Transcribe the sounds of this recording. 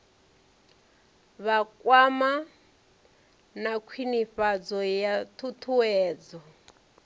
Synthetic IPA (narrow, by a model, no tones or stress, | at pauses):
βakʼwama | nakʰwiniɸad͡zɔjatʰut̪ʰuwɛːd͡zɔ